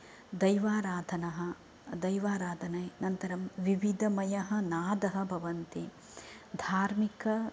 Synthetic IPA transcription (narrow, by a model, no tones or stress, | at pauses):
d̪ɐjʋaːɾaːd̪ʱɐnɐɦɐ̆ | d̪ɐjʋaːɾaːd̪ʱɐnɐjnɐnt̪ɐɾɐmʋiʋid̪ʱɐmɐjɐɦɐnaːd̪ɐɦɐ̆bʱɐʋɐnt̪e | d̪ʱaːɾmikɐ